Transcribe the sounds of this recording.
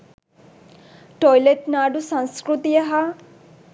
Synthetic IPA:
ʈojleʈnaɖusãŋskɾut̪ijəɦa

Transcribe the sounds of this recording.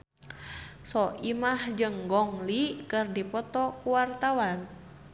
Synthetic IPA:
sɔimahd͡ʒɨŋɡɔŋlikɨrdipɔt̪ɔkuwart̪awan

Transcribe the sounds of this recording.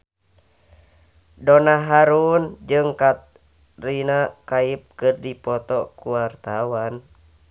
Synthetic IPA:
dɔnaɦaɾund͡ʒɨŋkat̪ | rinakaip̚kɨrdipɔt̪ɔkuwart̪awan

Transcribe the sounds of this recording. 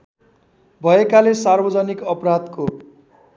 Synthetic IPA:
bʱʌekalesarbʌd͡zʌnikʌprad̪ko

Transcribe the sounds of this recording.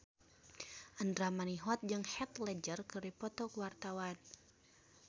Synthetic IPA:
ʔəndɾamaniɦɔt̪̚d͡ʒɨŋhɛt̪lɛd͡ʒərkɨripɔt̪ɔkuwart̪awan

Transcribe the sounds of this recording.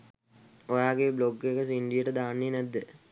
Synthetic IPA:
ojaːɡebloɡːekəsiɳɖijəʈəd̪aːnːinæd̪ːə

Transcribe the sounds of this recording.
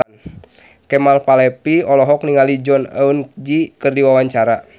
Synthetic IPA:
n | kɛmalpalɛpiɔlɔɦɔk̚niŋalid͡ʒɔna̰und͡ʒikɨrdiwawaɲt͡ʃaɾa

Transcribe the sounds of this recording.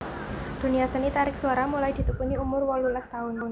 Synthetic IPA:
d̪̥ṳniasənit̪aɾɪksuaɾamulajd̪̥i̤t̪upuniumʊrwɔlulast̪aʊn

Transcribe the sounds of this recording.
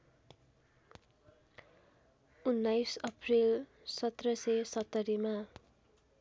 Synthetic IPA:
unːajsʌpʰril | sʌt̪rʌsesʌt̪ːʌɾima

